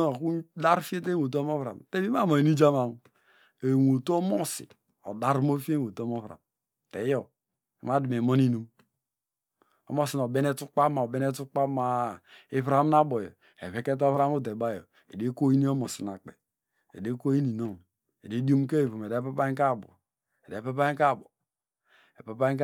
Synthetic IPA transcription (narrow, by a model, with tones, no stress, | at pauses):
ku˦da˦ɾfi˦e˦te˦wo˨t̬u˦o˦mo˦vɾa̰˨mte˦bi˦m˦a˦˨mo˨i˨ni˦d͡ʒa˦ma˨m | e˨wo˨tu˦o˦mo˦sḭ˨ | o̰˨da˦ɾmo˦fe˦wo˨to˦mo˦vɾa̰˨m | te˨˦jo˦˨ | i˨ma˦di˨m˨e˨mo˦ni˦nu˦m | o̰˦mo˦si˨no˨be˦ne˦tu˦k͡pa˦ma˨o˨be˦ne˦tu˦k͡pa˦ma˨i˦βɾa˦mna˦bo˨jo̰˨ | e˨βe˦ke˦t̬o˦fɾa˦mu˦t̬e˨ba˦˨jo˨ | ḛ˨de˦ko˦i˦ni˦o˦mo˨si˨na˨k͡pḛ˨ | ḛ˨de˦ko˦i˦ni˨no˦˨ŋ | e˨de˦di˦o˦m˦ke˦˨fu˨me˨de˨˦pe˦pa˦k̬a˦˨bo̰˨ | e˨de˨˦pe˦pa˦i˦ka˦˨bo˨ | e˨pe˨pa˦i˦k